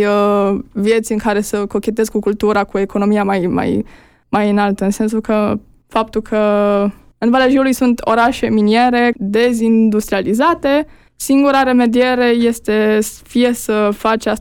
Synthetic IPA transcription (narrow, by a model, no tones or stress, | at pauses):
əvije̞t̪sʲɨŋkaɾe̞səko̞kʲe̞t̪e̞zkukult̪uɾakue̞ko̞no̞miamajma̰j | majɨnalt̪əɨnse̞ns̬ukə | fap̚t̪ulkʰə | ɨnvaleʒiulujsunt̪ʰo̞̰ɾaʃe̞minje̞ɾe̞d̪e̞zind̪ust̪ɾializat̪e̞ | siŋɡuɾaɾe̞me̞d̪ie̞ɾe̞je̞st̪e̞fije̞səfat͡ʃas